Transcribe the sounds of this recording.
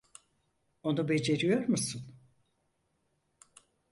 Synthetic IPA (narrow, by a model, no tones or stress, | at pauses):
o̞nube̞d͡ʒe̞ɾijo̞ɾmusɯn